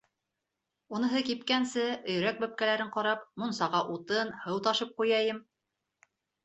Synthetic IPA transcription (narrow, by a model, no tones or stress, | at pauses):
unɤ̆ɦɤkipkænsɘɵ̆jɾæk̚bɵ̆p̚kælæɾɘɴqɑɾɑpmunsɑʁɑʔut̪ɤnhɤwt̪ɑʃɤp̚qujɑjɤm